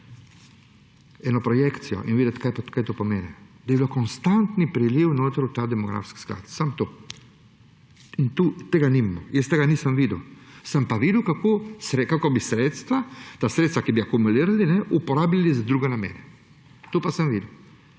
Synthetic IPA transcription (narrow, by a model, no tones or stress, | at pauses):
enopɾojɛkt̪sjo̰ʔinvid̪et̪kap̪kajt̪upomenɛd̪elokonst̪ant̪nipɾilivnolt̪ɾut̪ad̪emoɡɾa̰fskskla̰t̪samt̪u | nt̪ut̪ɛɡanimːojɛst̪ɛɡanisamvid̪osampavid̪ukakusɾɛkakobisɾɛt̪st̪vat̪asɾɛt̪st̪vakebiakumuliɾd̪inɛʔupoɾabillisd̪ɾuɡanamḛnɛ | t̪upasanvid̪u